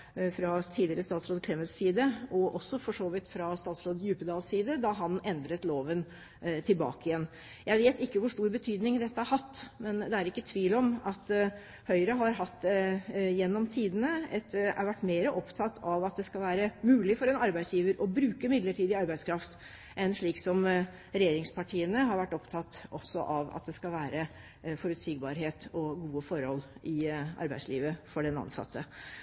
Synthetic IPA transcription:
fɾɑt̪ʰiːd̪ɪəɾəst̪ɑːt̪sɾoːd̪əkʰɾɛməlt̪siːd̪əʔɔʔɔsːɔfɔʂoːʋɪt̪fɾɑst̪ɑːt̪sɾoːd̪jʉːpəd̪ɑːlsiːd̪əd̪ɑɦɑnɛnd̪ɾət̪loːʋən | t̪ʰɪlbɑ̰ːkɪjɛnː | jʔæɪʋeːt̪ɪkːəʋʊʂʈuːɾbət̪ʰyːd̪nɪŋd̪ɛt̪ːəæɾhɑt̪ːmɛnd̪ɛæɾɪkːət̪ʰʋiːlɔmɑt̪ː | hœʏɾəɦɑɾɦɑt̪ːd̪ɛjɛnːɔmt̪ʰiːd̪ənəɛt̪ɑ̰ɾʋæʈːmeːɾəʔɔpt̪ʰɑt̪ʰːɑʋɑt̪̚d̪ɛskɑlʋæːɾəmʉːlɪfɔɾɛnɑɾbæɪsjiːʋəɾɔbɾʉːkəmɪd̪ləʈʰiːd̪əɑɾbæɪd̪skʰɾɑft̪ | ʔɛnʂɭiːksɔm | ɾɛjeːɾɪŋspʰɑʈʰiːənəɦɑɾʋæʈːɔpt̪ʰɑt̪ːɔsːɔʔɑʋɑ̰t̪̚d̪ɛskɑlʋæːɾə | fɔɾʉt̪siːɡbɑːɾɦeːt̪ɔɡuːəfɔɾhɔlːɪɑ̰ɾbæɪsliːʋəfɔɖɛnɑ̰nsɑ̰t̪ʰːə

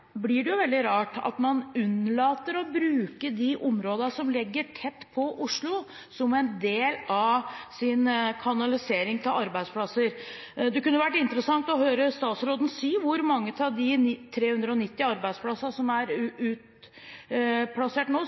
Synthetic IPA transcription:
blɪɖɛjʊʋɛld̪ɪɾɑːʈɑ̰t̪mɑnʉnlɑːt̪əɾɔbɾʉːkəd̪ɪʔʊmɾoːd̪ənəʂɔmlɛɡːəʈʰɛt̪ːpʰɔʔʊʂɭʊ | sɔmɛnd̪eːlɑʋsɪnkʰɑnɑlɪseːɾɪŋt̪ʰɪlʔɑɾbæɪspʰlɑsəɾ | d̪ɛkʉnːəʋæʈːɪnt̪əɾəsɑŋt̪ɔɦøːɾəst̪ɑːt̪sɾoːd̪n̩siːʋʊɾmɑŋːət̪ʰɑʋd̪ɪnt̪ʰɾeːhʉnd̪ɾəɔnɪt̪ːɪɑɾbæɪd̪spʰlɑssɔmæɾʉːt̪ | pʰlɑseːʈnoː

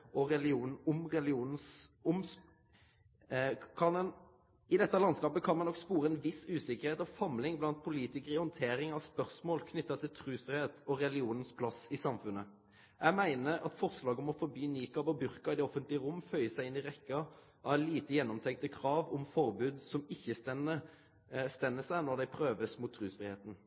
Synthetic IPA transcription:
ɔɾɛlɪuːn̩ɔmʁɛlɪuːnn̩sʊm | kʰɑnɛn | ɪd̪ɛt̪ːɑlɑnskɑːpəkʰɑnmɑnɔkspuːɾəɛnʋɪsʉːsɪkəɾheːt̪ɔfɑmlɪŋblɑnt̪̚pʰʊliːt̪ɪkəɾəɪhɔnt̪ʰeːɾɪŋɑʋspœʁsmoːlkʰnʏt̪ːɑt̪ʰɪlt̪ʰɾʉːsfɾɪheːt̪ɔɾɛlɪuːnn̩spʰlɑsɪsɑmfʉnːə | jʔæɡmæɪnəɾɑt̪fɔʁslɑːɡəɔmɔfɔɾbyːniːkɑʋɔbʉɾkəɪd̪ɛɔfənt̪lɪəʁʊmːfœʏəsæɪɪnɪʁɛkːɑ | ʔɑʋɛliːt̪əjɛnːɔmt̪ʰɛŋk̚t̪əkʰɾɑːʋɔmfɔɾbʉːd̪sɔmɪçːənə | st̪ɛnːəsæɪnɔʁd̪æɪpʰɾøːʋəsmuːt̪ʰːɾʉːsfɾɪheːt̪n̩

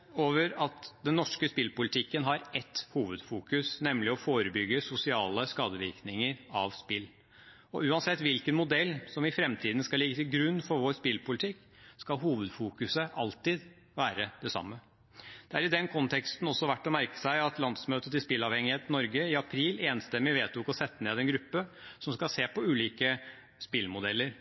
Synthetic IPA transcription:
oːʋəɾɑt̪d̪ɛnːɔʂkəspɪlpʊlɪt̪ʰɪkːənɦɑɾɛt̪ːhuːʋəd̪fuːkʉsnɛmlɪɔfoːɾəbʏɡːəsʊsɪɑːləskɑːd̪əʋɪ̰ɾknɪŋəɾɑʋspɪlː | ɔʉːɑnsɛt̪ːʋɪlkənmʊd̪ɛlːsɔmɪfɾɛmt̪ʰiːd̪n̩skɑlɪɡːət̪ɪlɡɾʉnːfɔɾʋoːɾspɪlpʊlɪt̪ʰɪkː | skɑlɦuːʋəd̪fuːkʉsəʔɑlt̪ɪd̪ | ʋæːɾəd̪̥ɛsɑ̰mːə | d̪̥ɛæɾɪd̪ɛnkʰɔnt̪ʰɛkst̪n̩ɔsːɔʋæʈːɔmæɾkə̥sæɪɑt̪lɑnd̪smøːt̪ət̪ɪspɪlːɑʋhɛŋːɪheːt̪n̩ɔɾɡəɪɑpʰɾiːleːnst̪ɛmːɪʋeːt̪ʰuːkɔsɛt̪ːəneːd̪ɛnɡɾʉpːəsɔmskɑlseːpɔʉːliːkə | spɪlmʊd̪ɛlːəɾ

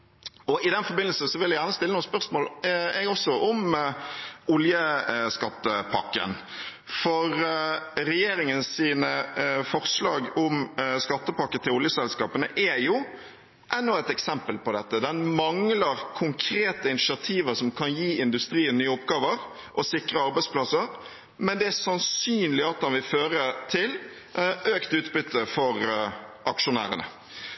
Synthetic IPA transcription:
ɔʔɪd̪ɛnfɔɾbɪnəl̩sn̩sɔʋɪlːɛɡjæːʁnəst̪ɪlːənuːspœʁsmoːlɛɡɔsːɔʔɔm | ʊljəskɑt̪ːəpʰɑ̰kːə̰n | fɔɾɾɛjeːɾɪŋənsiːnəfɔʁslɑːɡɔmskɑt̪ːəpɑkːət̪ʰɪlʊljəsɛlskɑːpənəʔɛjʊ | ʔɛnːʊɛt̪ɛksɛmpəlpɔd̪ɛt̪ːəd̪ɛnmɑŋləɾkʰʊŋkʰɾeːt̪əɪnɪʃɪɑt̪ʰiːʋəɾsɔmkʰɑnjiːɪnd̪ʉst̪ɾiːənnyːəʊpɡɑːʋəɾ | ʔɔsɪkɾəɑɾbæɪspʰlɑsəɾ | mɛnd̪ɛæɾsɑnsyːnlɪɑt̪̚d̪ɛnʋɪlføːɾət̪ʰɪl | øːkt̪ʉːt̪bʏt̪ʰːəfɔɾʔɑkʂʊnæ̰ːɾə̰nə̰

